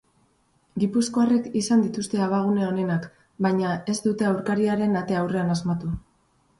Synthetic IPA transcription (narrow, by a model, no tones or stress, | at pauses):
ɡipusko̞are̞kisand̪it̪ust̪e̞aβaɣ̞uneo̞ne̞nak | bajɲae̞zd̪ut̪e̞awɾkaɾiaɾe̞nat̪e̞awre̞anazmat̪u